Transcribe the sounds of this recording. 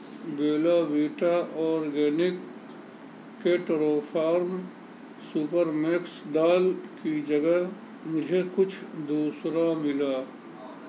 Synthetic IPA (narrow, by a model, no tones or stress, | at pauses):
beːlabiːʈaʔɔːɾɡɛːnɪk | eʈɾoːpʰaːɾm | supəɾmeksd̪aːlkid͡ʒəɡəɦ | mʊd͡ʒʱekʊt͡ʃʰd̪uːsɾamɪlaː